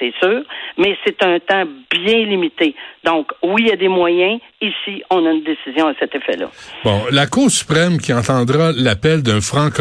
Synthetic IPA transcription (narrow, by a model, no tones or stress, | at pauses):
sɛsyːʁmɛset̪ɛ̃t̪ãbjɛ̃limit̪ed̪ɔ̃kwijad̪emwajɛ̃ | isiɔ̃naynd̪esizjɔ̃asɛt̪efɛ̰lʌ̰bɔ̃lakuːʁsy̥pʁɛmkʲiɑ̃t̪ɑ̃d̪ʁalapɛld̪ɛ̃fʁɑ̃k